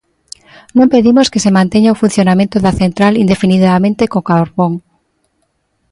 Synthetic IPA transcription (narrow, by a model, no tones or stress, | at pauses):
nõmpeðimoskesemãnt̪eɲaofun̟θjonamẽnt̪oðaθent̪ɾalind̪efiniðamẽnt̪ekokaɾβoŋ